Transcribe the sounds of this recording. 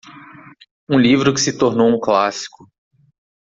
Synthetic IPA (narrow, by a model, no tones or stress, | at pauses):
ũlivɾʊkɪ̥sɪt̪oɾnowũklasi̥kʊ